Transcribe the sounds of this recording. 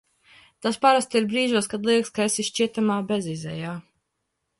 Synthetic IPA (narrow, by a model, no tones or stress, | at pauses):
t̪aspaɾast̪iɾbɾiːʒuɔskad̪lˠiɛkskaesiʃʃt͡ʃiɛt̪amaːbʲɛzizɛ̰jaː